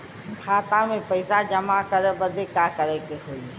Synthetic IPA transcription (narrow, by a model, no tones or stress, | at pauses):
kʰaːt̪ãmẽpəɪsad͡ʒəmakəɾəbəd̪ekaːkəɾɛkeɦoːi